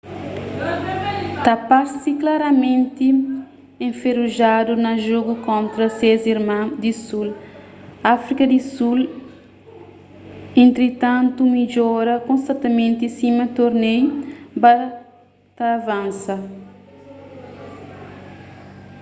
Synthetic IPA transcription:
t̪apaɾsiklaɾɐmẽnt̪i | ẽɱfeɾuʒad̪unɐʒoɡukõnt̪ɾɐseziɾmãd̪isul | afɾikɐd̪isul | ẽnt̪ɾit̪ãnt̪umiʎɔɾɐkõnst̪ɐ̃nt̪ɐmẽnt̪isimɐt̪oɾnejba | t̪avãnsɐ

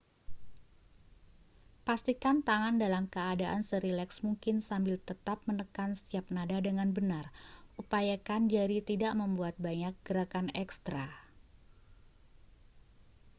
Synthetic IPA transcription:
past̪ikant̪aŋandalamkəadaʔansəɾilɛksmuŋkɪnsambɪlt̪ət̪ap̚mənəkanst̪iap̚nadadəŋanbənarʔupajakand͡ʒaɾit̪idaʔməmbuat̪̚baɲak̚ɡ̥əɾakanɛkst̪ɾa

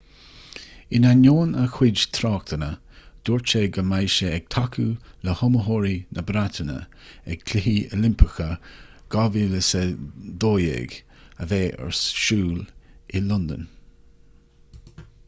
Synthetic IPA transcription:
ɪnanoːnəxwɪd͡ʒt̪ʰɾɑːkt̪ʰənə | d̪̥uɹt͡ʃeɡəmajʃəɛɡ̥̚t̪ʰakʰuləhʊməɦoːɹinʔəbɾat̪ənə̰ | ɛɡ̥̚kʰlɪɦiəlɪmpʰəxə | ɡ̥ɑviləsəd̪oːjḛːɡ | əveːʔə̰ɹsʃuːlɪlɔnd̪ə̰n

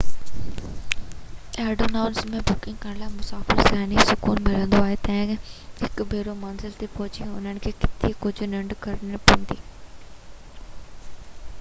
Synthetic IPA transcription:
ɛːɖoːnaːʊnsmẽbʊkɪ̃ŋɡ̚kə̃laːmʊsaːfɪɾsaːnisʊkuːnmɪlə̃nd̪oaːɦet̪ɐ̃ɪ̃ɦɪkbʱeːɾomɐnzɪlt̪epɔɦʊt͡ɕĩʊ̰n̤ənɪ̆kʰeːkɪt̪ikʊd͡ʑʱʊnɐ̃ɳɖkɐɾnpɐ̃nd̪iː

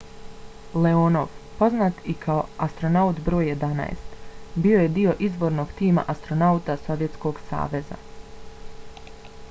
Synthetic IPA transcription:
le̞onoʋpo̞znaːt̪ikʰao̞ast̪ɾo̞naut̪bɾo̞ːjːe̞d̪ana̰ḛst̪bio̞je̞d̪io̞ʔizʋo̞ɾno̞ɡt̪iːma̰ʔast̪ɾo̞naut̪aso̞ʋje̞t̪sko̞ɡsa̰ːʋe̞za̰

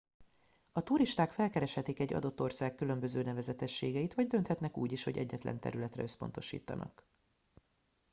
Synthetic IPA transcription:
ɒt̪uɾiʃt̪aːkfɛlkɛɾɛʃhɛt̪ikɛɟːɒ̰d̪o̞t̪ːorsaːkːylø̞mbø̞zøːnɛvɛzɛt̪ɛʃːeːɡɛit̪ʋɒɟd̪ø̞nt̪hɛt̪nɛkṵːɟiʃho̞ɟɛ̰ɟːɛt̪lʔɛ̰nt̪ɛ̰ɾylɛt̪rɛ̰øspo̞nt̪o̞ʃḭːt̪ɒnʔɒ̰k

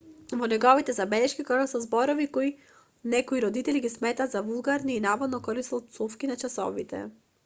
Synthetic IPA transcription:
vɔnɛɡɔvit̪ɛzabɛlɛʃkikɔɡasɔzbɔɾɔvikoi | nɛkɔiɾɔd̪it̪ɛliɡismɛt̪ad̪zavulˠɡaɾniːnavɔd̪nɔkɔlisˠt̪sufkinat͡ʃasɔ̰vit̪ɛ̰

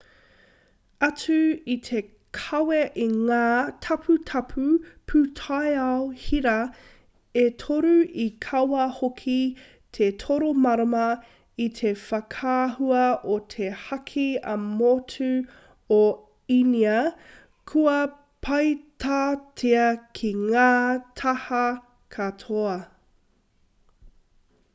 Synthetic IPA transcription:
ɐt͡sʉit̪ʰe̞ | kʰɐweʔiŋaːtʰɐpʰutʰɐpʰʉpʰʉtʰajɐwhiɾɐ | et̪ʰoɾuikʰɐwɐhokʰi | t̪ʰetʰoɾomɐɾɐmɐ | it̪ʰefɐkʰaːhuɐot̪ʰehɐkʰiɐ̰motʰʉ | o | iniɐ | kʰuɐ | pʰɐjtʰaːtʰeɐkʰiŋaːtʰɐhɐ | kʰɐtʰoɐ

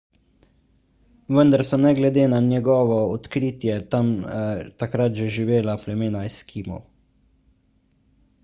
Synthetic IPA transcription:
ʋənd̪aɾsɔnɛɡlɛd̪eːnanjɛɡɔːʋɔɔt̪kɾit̪jɛt̪amt̪akɾat̪ʒɛʒiʋeːlaflɛmeːnajskʰiːmɔ̰w

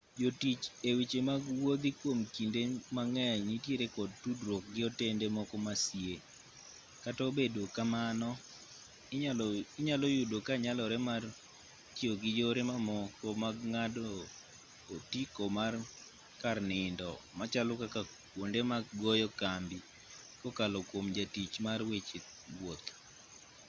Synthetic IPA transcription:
d͡ʒotit͡ʃewit͡ʃemaɡwod̪ikwomkindemaŋɛɲitjeɾekɔd̚tudɾwɔk̚ɡɪɔtendemɔkɔmasje | katɔbedokamanɔ | ɪɲalɔjudokaɲalɔɾɛmar | tioɡɪd͡ʒoɾemamɔkɔmaɡŋadoː | tikomar | karnɪndɔmat͡ʃalɔkaka | kwondemaɡɔjɔkambi | kɔkalɔkwomd͡ʒatit͡ʃmarwet͡ʃe | ɡwot̪

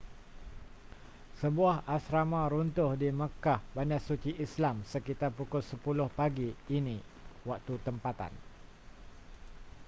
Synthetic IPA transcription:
səbuahasɾamãɾunt̪ʊhdiməkahbandasut͡ʃiʔislamsəkit̪arpukʊlsəpulʊhpaɡiːnĩ | wak̚t̪ut̪əmpat̪a̰n

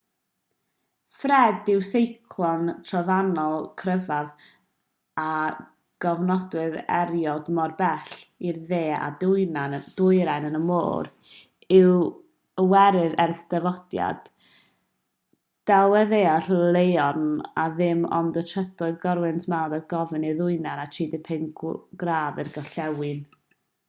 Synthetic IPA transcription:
frɛdɪwsejkʰlˠɔntʰrɔvanɔlˠkʰrəvað | a | ɡ̥ɔvnɔdwɨðɛ̰ɾjɔdmɔrbɛɬirðeːa̰dʊjnad̥ʊjɾajnənəmo̰ːɾ | ɪw | wɛɾɨðɛrstəvɔd̥ja̰d̥ | d̥alˠɛðeːaɬlˠejɔnaðɪmɔ̰ndətʰədʊɨðɡɔɾwɨntʰmanbɛðɡɔvɨniðʊɨnanat͡ʃʰiːdɪpʰɪnɡɡraːvɨrɡɔɬɛwɪn

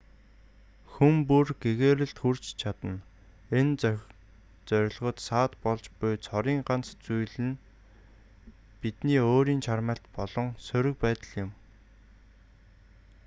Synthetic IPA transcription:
xumpurɡeɣeːɾɘ̆ɬt̪xur̥t͡ɕt͡ɕʰat̪ə̆n | en | t͡sœɾ̆ʲɮʁə̆t̪saːt̪pɔɮt͡ɕpʊjt͡sʰɔɾiːŋɢant͡st͡sujɮɘ̆n | pit̪niːoːɾiːnt͡ɕʰarmə̆ːɬt̪pɔɮɞ̆ŋsɵɾɵ̆k̚pæːt̪ə̆ɮjɪ̆m

